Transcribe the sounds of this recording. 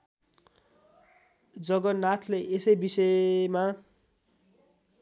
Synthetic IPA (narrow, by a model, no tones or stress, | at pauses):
d͡zʌɡʌnat̪ʰleʔesʌjbisʌma